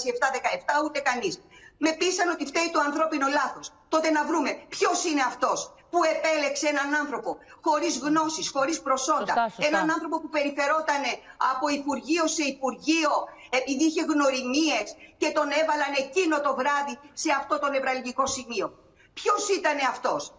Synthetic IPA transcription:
sieft̪ɐðe̞kɐeft̪ɐut̪e̞kɐnisme̞pisɐno̞t̪ift̪eit̪uɐnθɾo̞pinolɐθo̞st̪o̞t̪e̞nɐvɾume̞pço̞sine̞ɐft̪o̞s | pue̞pe̞le̞kseenɐnɐnθɾo̞po̞xo̞ɾizɣno̞sisxo̞ɾispɾo̞so̞nd̪ɐe̞nɐnɐnθɾo̞po̞pupe̞ɾiθe̞ɾo̞t̪ɐne̞ɐpo̞ipuɾʝio̞se̞ipuɾʝio̞ | e̞piðiiçe̞ɣno̞ɾimie̞sce̞t̪o̞ne̞vɐlɐne̞cino̞t̪o̞vɾɐðise̞ɐft̪o̞t̪o̞ne̞vɾɐlʝiko̞simio̞ | pço̞sit̪ɐne̞ɐft̪o̞s

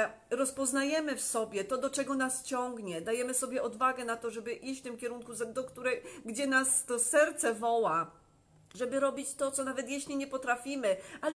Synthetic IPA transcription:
ɾɔspɔznajɛmɘfsɔbʲjɛt̪ɔd̪ɔt͡ʂɛɡɔnast͡ɕɔŋɡɲɛd̪ajɛmɘsɔbʲjɛʔɔd̪vaɡɛnat̪ɔʐɛbɘʔiɕt͡ɕft̪ɘmkʲjɛɾuŋkuzd̪ɔkt̪uɾɛjɡd͡ʑɛnast̪ɔsɛɾt̪sɛvɔwa | ʐɛbɘɾɔbʲit͡ɕt̪ɔt̪sɔnavɛt̪jɛɕlʲiɲɛpɔt̪ɾafʲimɘa

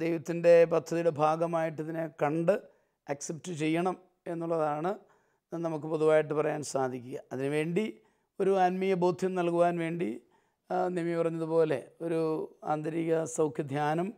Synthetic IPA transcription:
d̪ejʋɐt̪ːinde̞pɐt̪ʰːɐðijuɽe̞bʱaːɡɐmaːjiʈːɐðinekɐɳɖɨ | ɐksep̚tɨt͡ɕe̞jːɐɳɐm | e̞nːuɭːɐðaːɳɨ | nɐmukːɨpo̞ðuʋaːjiʈ̬ːɨpɐrɐjaːnsaːd̪ʱikʲːuɣɐɐðinɨʋe̞ːɳɖi | o̞ɾuɐnmijɐboːd̪ʱjɐmnɐlkuʋaːnʋe̞ːɳɖi | nemipɐrɐɲːɐðupo̞ːle̞̰o̞ɾua̰ːnd̪ɐɾiɣɐsɐwkʰjɐd̪ʱjaːnɐm

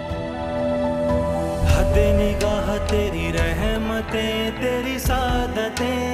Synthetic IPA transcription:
hɐt̪eːnɪɡaːɦət̪eːɾiɾɛɦmət̪ẽt̪eːɾisaːd̪ət̪ẽː

